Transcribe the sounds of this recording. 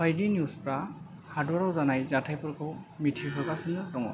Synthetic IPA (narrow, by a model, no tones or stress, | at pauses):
bajdinjuspɾa | hadɔɾawzanajzatʰajpɯɾkʰɯwmitʰiɦʰɔɾɡasɯnɯdɔŋɔ̰